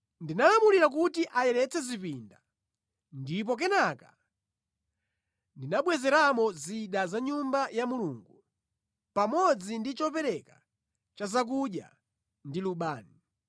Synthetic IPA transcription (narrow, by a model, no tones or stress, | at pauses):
ndinalamuliɾak̬utiʔajɛɾɛt͡sɛzipinda | ndip̬ɔk̬ɛnaka | ndinaɓwɛzɛɾamɔziɗazaɲumbajamuluːŋɡu | pamɔd͡zindit͡ʃɔpɛɾɛka | t͡ʃazak̬uɗja̰ | ndiluɓaːni